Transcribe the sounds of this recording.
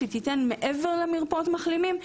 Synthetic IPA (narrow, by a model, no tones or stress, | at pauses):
et̪itenmeʔeveʁlemiʁpot̪maχlimim